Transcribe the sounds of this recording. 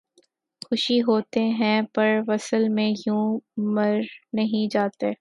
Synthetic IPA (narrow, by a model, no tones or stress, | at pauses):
xʊʃiɦoːt̪eɦɛ̃pɐɾʋɐsəlmẽjũːmɐɾnɐɦĩd͡ʒaːt̪eː